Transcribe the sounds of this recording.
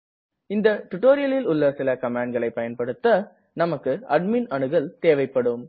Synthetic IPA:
ɪnd̪ɐʈʊʈːoːɾɪjɐlɪlʊlːɐsɪlɐkɐmaːɳɖɡɐɭɐɪpːɐjɐnpɐɽɯt̪ːɐ | nɐmɐkːɯɐɖ̚minɐɳɯɣɐɭt̪eːʋɐɪpːɐɽɯm

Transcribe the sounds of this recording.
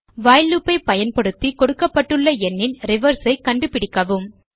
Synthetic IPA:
ʋaːjlːɯpːɐɪpɐjɐnpɐɽɯt̪ːikɔɽɯkːɐpːɐʈːɯɭːɐɛnːɪnɾɪʋɐɾsɐɪkɐɳɖɯpɪɽɪkːɐʋɯm

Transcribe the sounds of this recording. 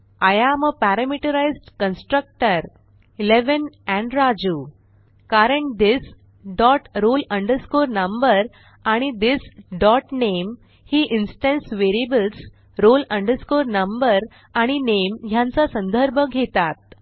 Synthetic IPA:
ajaməpæɾəmiʈəɾajzʈkənsʈɾək̚ʈəɾ | ileʋənæ̃ɳɖɾad͡ʑuː | kaɾəɳʈ̚d̪is | ɖɔʈɾolə̃ɳɖəɾskoɾnəmbəɾ | aɽ̃id̪isɖɔʈnem | hiːʔinsʈə̃nsʋeɾiebəls | ɾolə̃ɳɖəɾskoɾnəmbəɾ | aɽ̃inemɦjãnt͡sasə̃nd̪ʱəɾbʱəɡʱet̪at̪̚

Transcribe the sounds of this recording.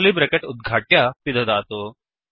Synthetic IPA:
liːbɾəkeʈʊd̪̚ɡʱaʈjasid̪ʱəd̪aːt̪o

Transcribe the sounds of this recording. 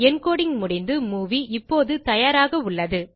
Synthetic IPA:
ɛnkoːɽɪŋmʊɽɪnd̪ɯmuːʋiɪpːoːðɯt̪ɐjaːɾaːɣɐʊɭːɐðɯ

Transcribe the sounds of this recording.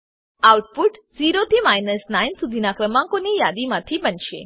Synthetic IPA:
awʈpuʈziɾot̪ʰimajnəsnainsud̪ʱinakɾəmãŋkonijad̪imat̪ʰibənʃḛ

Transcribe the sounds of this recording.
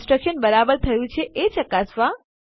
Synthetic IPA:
sʈɾəkʃənbəɾabəɾt̪ʰəjũt͡ʃʰeʔet͡ʃəkasʋa

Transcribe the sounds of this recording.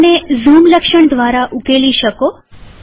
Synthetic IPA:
nezumləkʃəɳ̃d̪ʋaɾaʔukeliʃəko

